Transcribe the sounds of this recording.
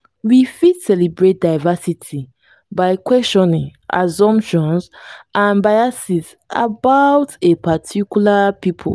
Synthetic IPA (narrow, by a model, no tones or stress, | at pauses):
wifidsɛlibɹet̚daɪvasitʰi | baɪkwɛsʃɔ̃nĩŋa̰zɔ̃mpʃɔ̃nsʔãnbajasis | a̰bawtepʰatʰikjulapipʰo̰